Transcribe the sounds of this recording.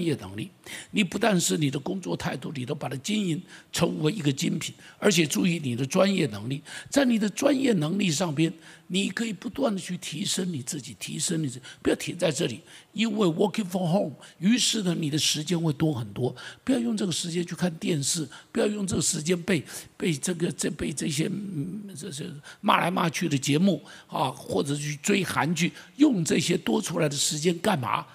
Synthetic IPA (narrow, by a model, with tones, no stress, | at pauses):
njɛ˥˩nɤ̰˧˥ŋli˥˩ni˨˩pu˧˥t̪a˥˧nʂɻ̩˥˩ni˨˩d̪ə˦kʊ˥ŋt͡swɔ˥˧t̪ʰa˥˧ɪt̪u˥˩˨ni˨˩t̪o˥ʊpa˨˩t̪ʰa˥t͡ɕi˥ni˧˥nʈ͡ʂʰɤ˧˥ŋwe˧˥ɪi˧˥ɡə˧t͡ɕi˥npʰi˨˩˦nə˞˧˥t͡ɕʰjɛ˨˩ʈ͡ʂu˥˩i˧˥ni˨˩d̪ə˦ʈ͡ʂwa˥njɛ˥˩nɤ˧˥ŋli˥˩t͡sa˥˩ɪni˨˩d̪ə˦ʈ͡ʂwa˥njɛ˥˩nɤ˧˥ŋli˥˧ʂ̬ɑ˥˩ŋpjɛ˥nni˨˩kʰɤ˧˥i˨˩pu˧˥t̪wa˥˩nd̪ə˩t͡ɕʰy˥˩t̪ʰi˧˥ʂə˥nni˨˩t͡sɹ̩˥˩t͡ɕi˨˩t̪ʰḭ˧˥ʂə˥ni˨t͡s̩˥˨pu˧˥jʊt̪ʰi˧˥t͡sa˥˧ɪʈ͡ʂɤ˥˩li˨˩˦i˥nwe˥˩ɪwɔ˧˨˩kʰi˨˩fə˥˧ŋxo˥˧ŋy˧˥ʂɻ̩˥˩nə˩ni˨˩d̪ə˦ʂɻ̩˧˥t͡ɕjɛ˥nxwe˥˩ɪt̪wɔ˥xə˨˩nt̪wɔ˥pu˧˥jɑ˥˧ʊjʊ˥˧ŋʈ͡ʂɤ˥˩ɡə˩ʂɻ̩˧˥t͡ɕjɛ˥nt͡ɕʰy˥˧kʰa˥˧nt̪jɛ˥˧nʂɻ̩˥˩pu˧˥jɑ˥˧ʊjʊ˥˧ŋʈ͡ʂɤ˥˩ɡə˩ʂɻ̩˧˥t͡ɕjɛ˥npe˥˧ɪpe˥˧ɪʈ͡ʂɤ˥˩ɡə˩ʈ͡ʂə˥˧pe˥˧ɪʈ͡ʂɤ˥˩ɕ̬jɛ˥˩˥ | ma̰˥˩la˧˥ɪma˥˧t͡ɕʰy˥˩d̪ə˩t͡ɕjɛ˧˥mu˥˩ɐ˥˧xwɔ˥˩ʈ͡ʂɤ˨˩t͡ɕʰy˥˩t͡swe˥ɪxa˧˥nt͡ɕʰy˥˩jʊ˥˧ŋʈ͡ʂɤ˥˩ɕjɛ˥t̪wɔ˥ʈ͡ʂʰu˥la˧˥ɪd̪ə˧ʂɻ̩˧˥t͡ɕjɛ˥nka˥˩nma̰˧˥